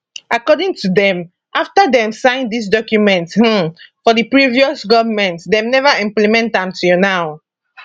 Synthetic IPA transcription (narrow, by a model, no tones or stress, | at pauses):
akɔdĩŋtudɛ̃m | ʔaftadɛ̃msãɪ̃ndis̬dɔkjumɛ̃nth̩fɔdipɹiviɔsɡɔvmɛ̃ntdɛ̃mnɛvaĩmplimɛ̃ntãmtʰilnaw